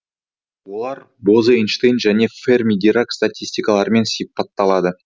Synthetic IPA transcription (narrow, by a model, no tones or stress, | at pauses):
wo̞lˠɑɾ | bozəinʃt̪ejnʒæne̞fermʲid̪ʲiɾakst̪at̪ʲisʲt̪ʲijkɑlˠɑɾəme̞nsʲipɑt̪ːɑlˠɑd̪ə